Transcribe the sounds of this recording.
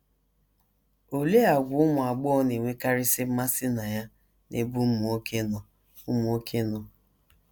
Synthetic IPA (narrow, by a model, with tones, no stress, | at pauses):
o˨le˦a˨ɡʷʊ˨˦ʊ˦mʊ˨a˨ɡ͡bɔ˦ɔ˦ne˨ŋʷe˦ka˦ɾɪ˦sɪ˦ma˦sɪ˦na˨ja˦ | nʔe˦bu˦mʊ˨o˦kʰe˦nɔ˨ | ʊ˦mʊ˨o˦kʰe˦nɔ˨